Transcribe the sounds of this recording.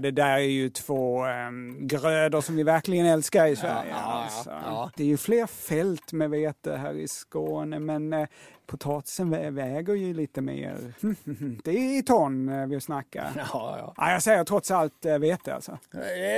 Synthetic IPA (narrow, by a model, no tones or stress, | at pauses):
d̪ɛd̪æːɾæjɵt̪ʰv̥oː | ɡɾøːd̪əɾʂɔmvɪvæɾklɪɡənɛlskaɾɪsvæ̰ɾjə̰a̰lsɔ̰d̪̥ɛæɾjɵfleːɾfɛlt̪mɛveːt̪əɦæ̰ːɾɪ̰skoːnəmɛnpʰʊt̪ʰɑːt̪ɪ̥sənvɛvɛːɡəɾjɵliːt̪əmḛːɾh̩hd̪̥ɛɪt̪ʰɔnːvɪsnakːa̰ʔa̰jɑːɡsɛjːəɾt̪ʰɾɔt̪salt̪veːt̪əa̰lsɔ